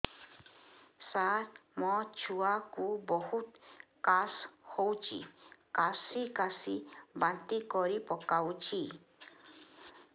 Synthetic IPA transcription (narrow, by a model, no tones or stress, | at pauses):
satmõt͡ʃuakubohut̪̚kashowt͡ʃḭkasikasibant̪ikoɾipokaut͡ʃi